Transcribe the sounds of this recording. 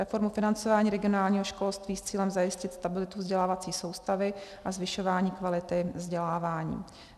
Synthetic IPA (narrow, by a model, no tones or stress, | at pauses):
ɾɛfo̞ɾmufɪnant͡so̞vaːɲiːɾɛɡɪonaːlɲiːɦo̞ʃko̞lst̪viːst͡siːlɛmzajɪscɪt̪st̪abɪlɪt̪uvzɟɛlaːvat͡siːso̞wst̪avɪʔazvɪʃo̞vaːɲiːkvalɪt̪ɪvzɟɛlaːvaːɲḭː